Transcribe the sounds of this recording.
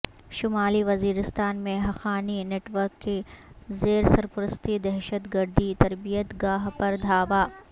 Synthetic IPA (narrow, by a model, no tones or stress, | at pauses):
ʃʊmaːliʋɐziːɾɪst̪aːnmẽɦɐxaːnineːʈʋəɾkːezeːɾsɐɾpʊɾəst̪id̪ɛɦʃət̪ɡɐɾd̪ʱit̪ɐɾbijət̪ɡaːɦpɐɾd̪ʱaːʋaː